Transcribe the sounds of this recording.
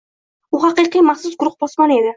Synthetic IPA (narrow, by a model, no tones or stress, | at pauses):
buɦɑqiqijmɑχsʊzɡʊɾʊq̚bɔsmɑned̪ɪ